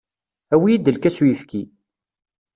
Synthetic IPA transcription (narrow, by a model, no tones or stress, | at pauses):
æwijid̪ːəlkæsujəfki